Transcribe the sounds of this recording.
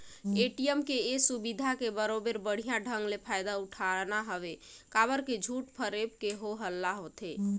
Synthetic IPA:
eʈijəmkeesubid̪ʱakebəɾobeɾbəɽ̤ijãɖʱəŋɡlepʰajd̪auʈʰaɾnaɦəbekaβəɾked͡ʒʱuʈpʰəɾep̚keɦoɦəlːaɦot̪ʰe

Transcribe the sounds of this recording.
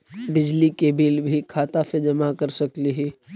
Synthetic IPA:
bɪd͡ʒlikebilbʱikʰaːt̪ased͡ʒɐmakəɾsɐkliɦiː

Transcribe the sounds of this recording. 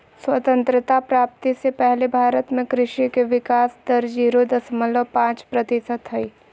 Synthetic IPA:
swɐt̪ə̃nt̪ɾɪt̪apɾaːp̚t̪isepɛɦlebʱaːɾət̪mẽkɾɪʃikeʋɪkaːsd̪ɐɾd͡ʒiːɾod̪ɐsmələpãːt͡ʃpɾɐt̪ɪsəd̪ɦɐiː

